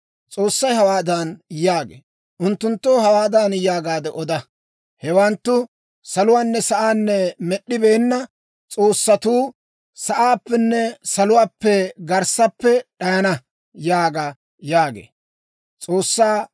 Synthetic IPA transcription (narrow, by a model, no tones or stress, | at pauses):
t͡sʼo̞ːsːɐjɦɐwaːd̪anjaːɡḛː | ʔʊnt̪ːʊnt̪ːoːɦɐwaːd̪anjaːɡaːd̪ɛʔɔd̪ɐ | hɛwɐnt̪ːʊ | sɐlʊwaːnːɛsɐʔaːnːɛmɛɗːɪbeːnːɐ | t͡sʼoːsːɐt̪uː | sɐʔaːpːɛnːɛsɐlʊwaːpːɛɡɐɾsɐpːɛɗɐjɐnɐ | jaːɡɐ | jaːɡḛː | t͡sʼo̞ːsːaː